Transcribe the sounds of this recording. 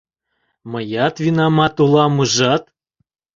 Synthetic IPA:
məjɑt̪vinɑmɑt̪ulˠɑmɯʒɑt̪̚

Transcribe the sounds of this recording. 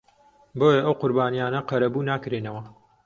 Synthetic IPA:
boːjɐʔɐwqʊɾbaːnijaːnɐqɐɾɐbunaːkɾeːnɐwɐ

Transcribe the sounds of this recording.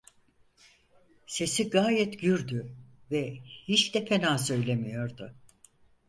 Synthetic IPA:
se̞siɡaːjɛt̪ɟyɾd̪yvɛhit͡ʃd̪ɛfenaːsø̞jlʲe̞mijo̞ɾd̪ʊ

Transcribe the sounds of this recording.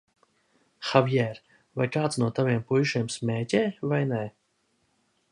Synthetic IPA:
xavjɛɾ | vajkaːt̪snuɔt̪avʲiɛmpujʃimsmʲɛːtʲɛːvajnɛ

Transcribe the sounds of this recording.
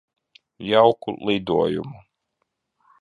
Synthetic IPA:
jawkṵlˠid̪uɔjṵmu

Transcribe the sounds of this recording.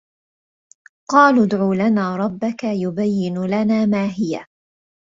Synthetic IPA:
qɑːlʊd̪ʕuːlanaːɾˤɑbːakajʊbajːɪnlanaːmaːɦɪja̰

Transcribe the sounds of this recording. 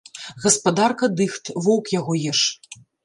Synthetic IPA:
ɣɐspad̪arkɐd̪ɨxt̪vɔwkjaɣɔjɛʂ

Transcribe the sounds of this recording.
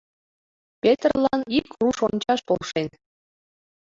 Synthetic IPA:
pʲet̪rlˠɑnikruʃonʲt͡ɕɑʃpolˠʃen

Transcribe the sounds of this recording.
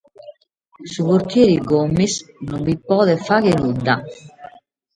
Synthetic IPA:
supoɾt̪jɛɾiɡomːisnumvipɔːðefakenud̪a

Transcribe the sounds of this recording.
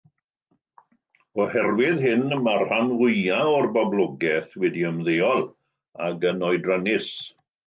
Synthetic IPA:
ɔhɛrwɪðɦɪnmarhanwʊjaɔrbablˠɔɡɛθwɛdiəmðeːɔlˠ | aɡənɔjdranɪs

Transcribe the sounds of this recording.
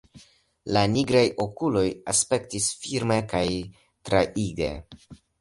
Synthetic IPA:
laniɡɾajʔo̞kulo̞jaspe̞ktisfiɾme̞kaj | tɾaʔiɡe̞̰

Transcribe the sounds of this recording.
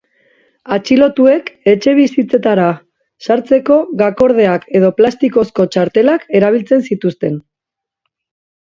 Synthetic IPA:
at͡ʃilo̞t̪ue̞ke̞t͡ʃe̞β̞isit͡se̞t̪aɾa | saɾt͡se̞ko̞ɣako̞ɾð̞e̞ake̞ð̞o̞plast̪iko̞sko̞t͡ʃaɾt̪e̞lake̞ɾaβ̞ilt͡se̞nsit̪ust̪e̞n

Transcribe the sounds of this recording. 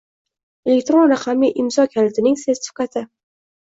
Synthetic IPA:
e̞lek̚t̪ɾonɾaqʰamiʔɪmzɒkʲʰanɪt̪ʰɪnɪŋsest̪ɪ̥fkat̪ʰɪ

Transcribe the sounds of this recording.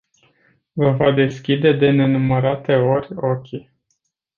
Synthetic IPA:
vəvad̪e̞skʲid̪e̞d̪e̞ne̞numəɾat̪e̞o̞rʲokʲi

